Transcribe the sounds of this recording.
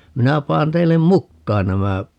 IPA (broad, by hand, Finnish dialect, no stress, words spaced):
minæ pɑːn teilːem mukːɑːn næmæ